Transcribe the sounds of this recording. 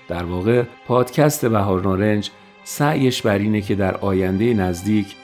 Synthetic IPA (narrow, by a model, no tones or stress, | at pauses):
d̪̥æɾvɒːɣe̞pʰɒːd̪̥cʰæst̪ʰe̞bæɦɒːɾnɒːɾe̞nd͡ʒ | sæʔjeʃbæɾiːnecʰe̞d̪æɾɒːjænd̪ejenæzd̪iːcʰ